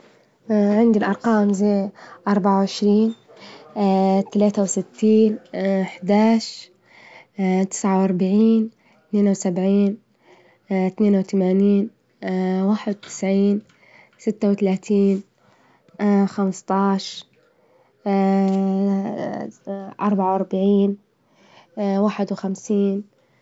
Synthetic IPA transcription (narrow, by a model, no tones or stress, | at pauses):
ʕɪnd̪ilʔɑɾˤqɑːmzejʔɑɾˤbaʕawʕɪʃɾiːn | t̪alaːt̪awsɪt̪ːiːnħd̪aːʃ | t̪ɪ̥sʕawʔɑɾˤbaʕiːn | t̪neːnwsabʕiːn | t̪neːnwt̪amaːniːn | waːħɪd̪wt̪ɪ̥sʕiːn | sɪt̪ːawt̪alaːt̪ʰiːn | xamst̪ˤɑːʃ | ʔɑɾˤbaʕawʔɑɾˤbaʕiːn | waːħɪd̪wxamsiːn